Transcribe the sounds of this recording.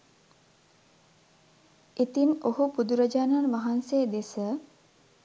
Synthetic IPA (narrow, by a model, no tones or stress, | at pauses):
it̪imohupud̪uɾəd͡ʒaːnanʋaɦanseːd̪esə